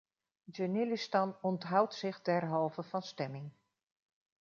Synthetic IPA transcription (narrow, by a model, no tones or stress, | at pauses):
d͡ʒənɪlistɑnɔntɦʌwtsɪχdɛɹɦɑlˠvəvɑnstɛmɪŋ